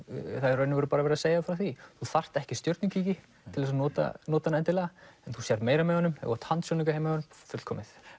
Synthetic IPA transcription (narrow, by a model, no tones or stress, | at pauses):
θaɾœːnɪvʏɾʏpaːɾavɛɾaseːjafɾawθiθuθar̥t̪ɛhcɪst̪jœɾt̪nɪŋcʰiːcɪ | t̪ʰɪlvɛsanɔːt̪a̰nɔːt̪anɛnt̪ɪlaɣaɛnθusjɛɾmeːjɾamɛɣɔnːʏmɛ̰ɣ̰a̰t̪ʰhant̪sjɔnɪŋkḁhejmaɔnmfʏt̪l̥kʰɔːmɪθ